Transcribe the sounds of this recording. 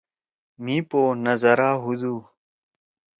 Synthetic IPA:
mĩːpoːnəzəɾaːɦud̪uː

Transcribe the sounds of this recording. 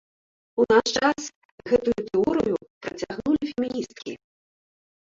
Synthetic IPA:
unaʂt͡ʂas | ɣɛt̪ujut̪ɛɔɾɨjupɾɐt͡sʲaɣnulʲifʲemʲinʲist̪̚kʲi

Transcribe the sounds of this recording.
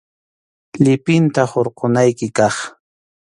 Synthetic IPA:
ʎɪpɪnt̪ahoɾqonajkɪkɑχ

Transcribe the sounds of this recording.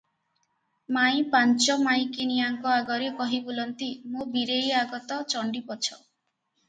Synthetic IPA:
maj̃pant͡ʃɔmaj̃kiniaŋkɔaɡɔɾekɔɦibolɔnt̪imobiɾejaɡɔt̪ɔt͡ʃɔɳɖipɔt͡ʃʰɔ

